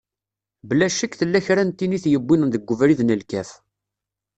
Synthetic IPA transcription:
bəlːæʃəkθəlːæçɾænt̪ːiniθjəbːinnðəɡʷːəvɾiðnəlkæf

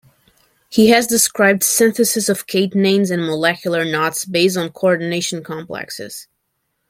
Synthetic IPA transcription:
hiɨzdɨskɹaɪb̚d̥sɪ̃nθɨsɨsʌv̥kʰeɪtnẽɪ̃mzɨ̃nməlɛkʰjl̩ˠə˞nɑtsbeɪs̬tn̩kʰoɔɹdⁿn̩eɪʃn̩kʰɑ̃mplɛ̰ksɪ̰z̥

